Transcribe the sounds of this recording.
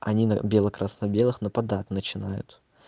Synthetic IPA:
ɐ̰nʲinəbʲelˠəkɾʔasnɐbʲe̞lˠɨxnəpɐd̪at̪ʲnət͡ɕɪnajʊ̰t̪

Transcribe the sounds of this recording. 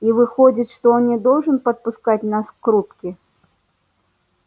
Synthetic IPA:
ivɨxɔd͡zʲit͡sʲʂt̪ɔɔnnʲɛd̪ɔwʐɨnpɐt̪̚puskat͡sʲnaskɾupkʲi

